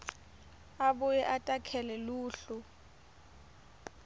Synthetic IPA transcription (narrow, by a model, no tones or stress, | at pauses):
abʊjɛʔatʼakʰɛlɛluːɬʊ